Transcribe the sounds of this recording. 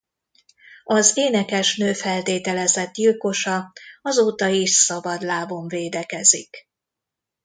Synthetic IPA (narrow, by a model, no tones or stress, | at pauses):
ɒzeːnɛkɛʃnøːfɛlt̪eːt̪ɛlɛzɛt̪dilko̞ʃɒɒzoːt̪ɒiʃsɒbɒd̪laːvo̞ɱveːd̪ɛkɛzḭk